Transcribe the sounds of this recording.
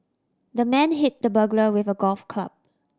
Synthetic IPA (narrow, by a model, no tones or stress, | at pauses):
dəmɛ̃nɦit̚dəbəɡləwɪfəɡɔlfkʰla̰b̚